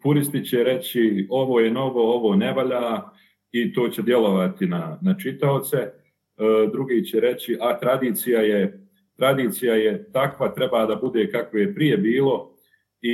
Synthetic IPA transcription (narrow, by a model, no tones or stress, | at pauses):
puɾist̪it͡ɕɛɾe̞t͡ɕio̞ʋo̞ːjeno̞ʋo̞oʋo̞ːne̞ʋaʎaː | it̪o̞ːt͡ɕed̪je̞lo̞ʋat̪inanat͡ʃit̪aot̪se̞ | d̪ɾuɡiːt͡ɕɛɾe̞t͡ɕiʔat̪ɾad̪iːt̪sijaje | t̪ɾad̪iːt̪sijajet̪akʋat̪ɾe̞baːd̪abud̪e̞kakʋoje̞pɾije̞biːlo̞ | i